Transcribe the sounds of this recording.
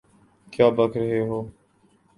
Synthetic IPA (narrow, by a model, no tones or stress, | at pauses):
kjaːbəkʰɾɐɦeːɦoː